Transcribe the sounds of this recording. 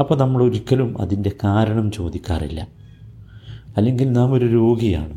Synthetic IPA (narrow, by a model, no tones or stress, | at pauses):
ɐpːoːnɐmːɐɽeuɾikʲːɐlumɐ̰ðinde̞kaːɾɐɳɐmt͡ɕo̞̰ːd̪ikʲːa̰ːrḭlːɐ̰ | ɐlːe̞ŋɡilnaːmo̞ɾuɾo̞ːɡija̰ːɳɨ